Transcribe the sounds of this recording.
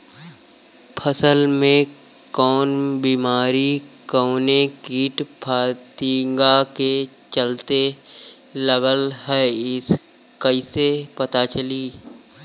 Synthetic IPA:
pʰəsəlmẽ | kɔːnbiːmaːɾikəːnekiːʈpʰaːt̪iŋɡake | t͡ʃəlt̪e | ləɡəlɦɛːɪs | kəisepət̪at͡ʃəliː

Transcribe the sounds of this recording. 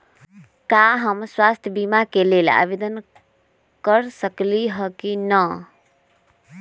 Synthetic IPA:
kaɦəmswast̪ʰjəbimakelela̰bed̪ən | kəɾsəkliɦəkinə

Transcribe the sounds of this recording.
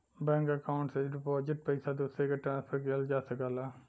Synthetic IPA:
bɛ̃ːŋkəkaːʊ̃ɳʈsed͡ʒʈpɔːd͡ʒəʈ̚pəɪsaːd̪uːseːkaʈɾãːnspʰəɾkeəld͡ʒaːsəkaːlaː

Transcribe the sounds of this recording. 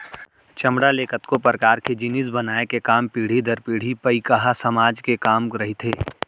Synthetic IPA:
t͡ʃɐmɽaleːkət̪kopɾkaːɾked͡ʒɪnɪsbɐnaːekekaːmpiːɽ̤id̪ɐɾpiːɽ̤ipəikəɦasɐmaːd͡ʒkekaːmɾɐɦit̪ʰeː

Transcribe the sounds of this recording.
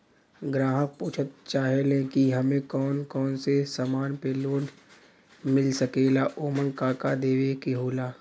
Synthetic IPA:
ɡɾaːɦək̚puːt͡ʃʰət̪̚t͡ʃaːɦelẽkiɦɐmẽkɔːnkɔːnsesamaːnpeloːn | mɪlsəkeːlaːʔoːmə̃ŋkaːkad̪eːʋekiɦoːlaː

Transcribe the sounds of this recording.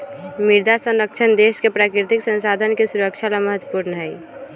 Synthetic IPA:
mɪɾd̪ʱasə̃nɾək̚t͡ʃʰənd̪eːʃkepɾaːkɾɪt̪ɪksə̃nsaːd̪ʱənkesuɾəkʃʰalaməɦət̪wəpuːɾnəɦɛi

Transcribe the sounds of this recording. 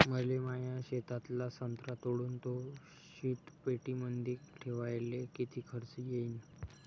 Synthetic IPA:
məlemajaɕet̪at̪lasənt̪ɾat̪oɽuːnt̪o | ɕiːʈ̪peʈimənd̪iːkʈʰeʋajlekit̪ʰiːkʰəɾt͡səjeiːn

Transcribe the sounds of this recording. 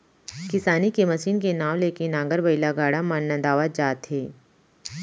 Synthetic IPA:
kɪsaːnikemɐsiːnkenãːʋleːkenːãːɡəɾbɐɪlaɡaːɽamanːə̃d̪aːʋad͡ʒaːt̪ɦeː

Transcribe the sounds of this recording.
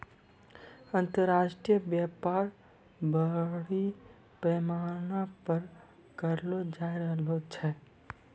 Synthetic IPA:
ənt̪əɾaʃʈijəbjapaɾ | bəɽi | pɾəmaɾnapəɾ | kəɾlod͡ʒajɾəɦlot͡ʃʰɛ

